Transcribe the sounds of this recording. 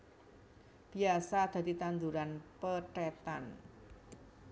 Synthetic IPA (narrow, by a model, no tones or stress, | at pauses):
b̥i̤asad̪̥ä̤d̪it̪and̪uɾanpəʈet̪a̰n